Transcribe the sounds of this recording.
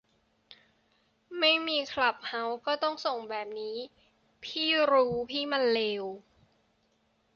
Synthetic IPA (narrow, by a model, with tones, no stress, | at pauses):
ma˥˩jmiː˧kʰla˨˩p̚ha˦˥wkɔː˥˩t̪ɔ˥˩ŋso˨˩ŋbɛː˨˩p̚niː˦˥ | pʰiː˥˩ɾuː˦˥pʰiː˥˩ma˧nleː˧w